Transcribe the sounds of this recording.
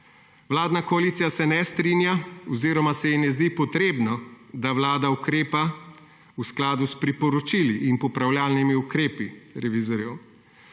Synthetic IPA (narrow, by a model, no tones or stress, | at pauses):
ʋlaːd̪nakɔalit̪sijasɛnɛst̪ɾinjaɔziːɾɔmasɛjinɛzd̪ipɔt̪ɾeːbnɔ | d̪awlaːd̪aukɾeːpa | usklaːd̪uspɾipɔɾɔt͡ʃiliʔinpɔpɾawljaːlnimiukɾeːpiɾɛʋizɔɾjɛw